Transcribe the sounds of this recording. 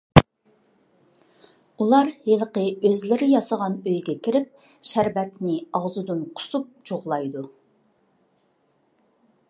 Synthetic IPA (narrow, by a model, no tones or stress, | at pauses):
ulˠɑɾheləqəøzlɪɾɪjɑsəʁɑnøjɡʲɛkʲʰɪɾɪp̚ʃæɾvɛt̪nɪɑʁzud̪unqʰʊ̥sup̚d͡ʒoʁlˠɑjd̪u